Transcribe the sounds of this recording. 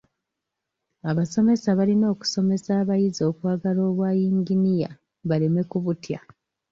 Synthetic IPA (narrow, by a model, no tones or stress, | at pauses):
aβaso̞me̞saβalino̞ːku̥so̞me̞saːβajizo̞ːkwaːɡalo̞ːβwaːjiːŋɡinija̰ | βale̞me̞kuβutja